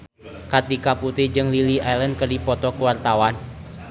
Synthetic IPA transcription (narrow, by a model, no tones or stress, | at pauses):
kat̪ikaput̪id͡ʒɨŋliliʔajləndkərdipɔt̪ɔkuwart̪awan